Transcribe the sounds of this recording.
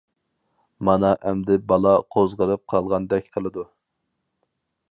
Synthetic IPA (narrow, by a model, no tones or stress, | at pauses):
mɑnɑʔɛmd̪ɪbɑlˠɑqʰozʁəɾɨp̚qʰɑlˠʁɑnd̪ɛkʲqʰəlˠɨd̪u